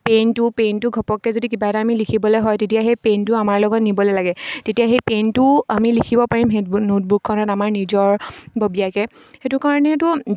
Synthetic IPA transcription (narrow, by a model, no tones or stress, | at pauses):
pentʊpentʊɡʱɔpɔkːɛzodikibataamilikʰibɔlɔjɦɔjtetijaxejpentʊamaɹlɔɡɔtnibɔlɔlaɡɛtetijaxejpentʊamilikʰibɔpaɹimɦetbnot̚bukʰːɔnɔtamaɹnizɔɹbobijakɛ | xetʊkaɹɔnɛtʊ